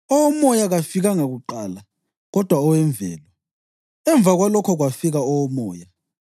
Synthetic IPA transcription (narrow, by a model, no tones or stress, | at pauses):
ɔwɔmɔjaɣafiɣaŋaɣuǃaːla | ɣɔd̥ʱwaɔwɛɱb̪vʱɛ̰ːlwa | ɛɱb̪vʱaɣwalɔkʰɔɣwafiɣaɔwɔmɔːja